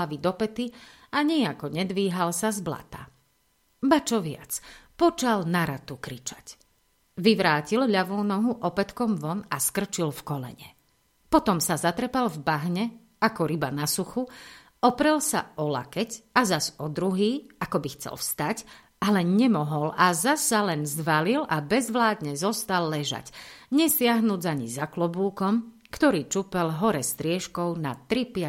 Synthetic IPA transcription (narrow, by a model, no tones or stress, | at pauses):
aʋid̪ɔpɛt̪i | aɲɪɛakɔɲɛd̪ʋiːɦalsazbla̰t̪a̰ | bat͡ʃɔʋɪa̰t͡spɔt͡ʃalnaɾat̪ukɾit͡ʃḁc | ʋiʋɾaːcilʎaʋuːnɔɦuʔɔpɛt̪kɔmʋɔnaskr̩t͡ʃilfkɔlɛ̰ɲɛ̰ | pɔt̪ɔmsazat̪ɾɛpalvbaɦɲɛ | akɔɾibanasuxu | ɔpɾɛlsaʔɔla̰kɛcazasɔd̪ɾuɦiːakɔbixt͡sɛ̰lfst̪ac | ʔalɛɲɛmɔɦɔlʔazasːalɛnzʋalilʔabɛzʋlaːd̪ɲɛzɔst̪alːɛʒa̰cɲɛsɪaɦnuːd͡zaɲizaklɔbuːkɔm | kt̪ɔɾiːt͡ʃupɛlɦɔɾɛst̪ɾɪɛʃkɔʊnat̪ɾipɪa